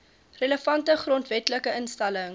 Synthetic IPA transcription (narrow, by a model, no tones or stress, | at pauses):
rələfɐntəχrɔntvɛtləkəənstɐləŋ